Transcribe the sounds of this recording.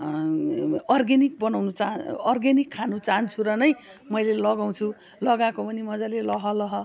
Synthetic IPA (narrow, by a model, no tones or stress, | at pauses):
ʌrɡenik̚bʌnawnut͡saʌrɡenikʰːanut͡saɦʌnt͡sʰuɾʌnʌj | mʌjlelʌɡaw̃t͡sʰu | lʌɡãkopʌnimʌd͡zalelʌɦʌlʌɦʌ